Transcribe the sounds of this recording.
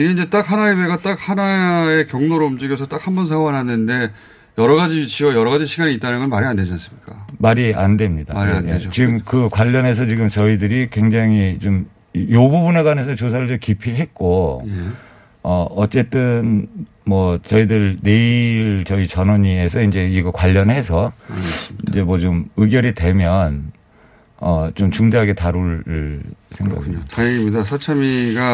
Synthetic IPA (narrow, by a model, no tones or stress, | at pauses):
iɡeind͡ʑe̞t͈ak̚hanaebeɡat͈ak̚hanae̞kjʌŋnoɾoumd͡ʑiɡjʌsʰʌt͈akhanbʌnsʰaŋwanɦanɯnde̞ | jʌɾʌɡad͡ʑiit͡ɕʰiʌjʌɾʌɣad͡ʑiɕʰiɡaɲiːt͈anɯnɡʌnmaɾianded͡ʑans͈ɯmɲik͈amaɾia̰nde̞mɲida̰aɾiaet͡ɕiɡɯmkɯkwaʎːʌne̞s̬ʰʌt͡ɕiɡɯmt͡ɕʌidɯɾikwe̞ŋd͡ʑaŋit͡ɕom | jobubuneɡwanes̬ʰʌt͡ɕosʰaɾɯɭt͡ɕomkipʰiɦe̞t̚k͈o | ʌʌt͡ɕ͈e̞t͈ɯn | mwʌt͡ɕʌidɯɭne̞iɾt͡ɕʌit͡ɕʌnʌɲie̞sʰʌind͡ʑe̞iɡʌkwaʎːʌnɦe̞sʰʌ | ind͡ʑe̞mwʌt͡ɕomɯɡjʌɾitwe̞mjʌn | ʌt͡ɕomt͡ɕuŋdeɦaɡe̞taɾuɭ | sʰe̞ŋɡa̰ɡoaiimidasʰʌt͡ɕʰʌmiɡa